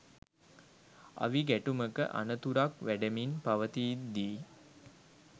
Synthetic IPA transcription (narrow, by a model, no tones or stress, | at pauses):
a̰ʋiɡæʈuməkə̰ʔa̰nət̪uɾakʋæɖəminpaʋət̪iːd̪iː